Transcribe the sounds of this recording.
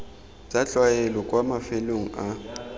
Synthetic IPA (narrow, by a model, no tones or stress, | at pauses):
t͡ʃʼat͡ɬʼwajɛlɔkʼwamafeloŋ̩a